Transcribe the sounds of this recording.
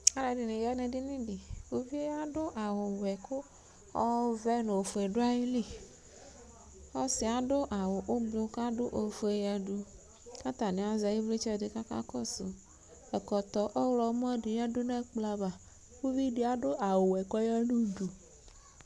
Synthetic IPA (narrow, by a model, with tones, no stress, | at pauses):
a˦la˨di˨ne˨ja˦ne˨di˦nĩ˦di˨wu˦vi˦e˦a˦dʊ˦ʔa˨wʊ˨wɛ˨kʊ˦ | ɔ˦vɛ˦nõ˨o˨fo˨e˨ɖʊ˦a˦ji˦li˦ | ɔ˦sɪ˨a˨dʊ˦ʔa˨wʊ˨ʔo˦blo˨ka˦dʊ˦ʔo˨fo˨e˨jɛ˦du˦ | ka˦t̪a˨ne˨a˨za˨ji˦vli˦t͡ʃɛ˦˨dɪ˨ka˦ka̰˦kɔ˦sʊ̰˨ | ɛ˨kɔ˨t̪ɔ˨ʔɔ˦wlɔ˨˦m˦ɔ˦di˨jɛ˦dʊ˦ne˦k͡pla˦ba˨ | wu˦vi˦di˨a˦ɖo˦ʔa˨wʊ˨wɛ˨kɔ˦ja˦nu˦du˨